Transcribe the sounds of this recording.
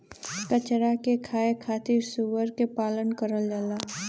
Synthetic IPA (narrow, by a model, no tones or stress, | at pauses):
kət͡ʃɾakekʰaːekʰaːt̪iɾsuʋəɾkepaːlənkəɾəld͡ʒəlaː